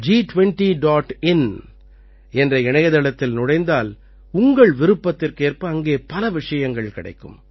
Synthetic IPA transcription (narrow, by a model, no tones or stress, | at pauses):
d͡ʒiːʈʋɛɳʈiɖaːʈɪn | ɛndrɐɪɳɐjɐðɐɭɐt̪ːɪlnʊɽɐɪnd̪aːl | ʊŋɡɐɭʋɪɾɯpːɐt̪ːɪrkeːrpɯɐŋɡeːpɐlɐʋɪʂɐjɐŋɡɐɭkɪɽɐ̰ɪkːɯ̰m